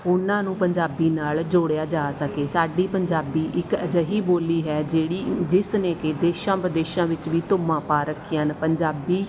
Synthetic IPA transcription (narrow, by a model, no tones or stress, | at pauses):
ʊnãːnũːpəɲd͡ʒaːbiːnaːld͡ʒoːɽejaːd͡ʒaːsəkeːsaːɖiːpəɲd͡ʒaːbiːʔɪkəd͡ʒəɦiːboːliːɦɛːd͡ʒeːɽiːd͡ʒɪsnẽːkɪd̪eːʃãːpəd̪eːʃãːʋɪt͡ʃʋiːt̪ʊmãːpaːɾəkʰijaːnpəɲd͡ʒaːbiː